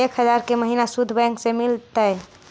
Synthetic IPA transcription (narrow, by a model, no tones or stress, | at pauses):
ekʰɦəd͡ʒaɾkeməɦinasud̪ʱːbɛ̃ŋksemilt̪əɪ